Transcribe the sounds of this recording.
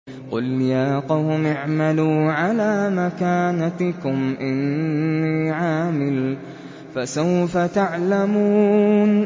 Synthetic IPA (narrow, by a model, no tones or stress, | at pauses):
qʊljaːqɑwmɪʕmaluːʕalaːmakaːnakʊmʔɪnːiːʕaːmɪl | fasawfat̪aʕlamuːn